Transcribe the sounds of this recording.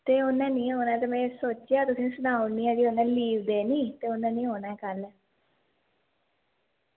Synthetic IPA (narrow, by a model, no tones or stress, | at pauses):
t̪eːʊnãːnĩːɦoːnãːt̪amɛ̃ːsoːt͡ʃːjaːt̪ʊsĩːsʊnaːʊniːãːd͡ʒiːonãːliːʋd̪eːnĩːt̪eːʊnãːnĩːɦoːnaːɛːkəl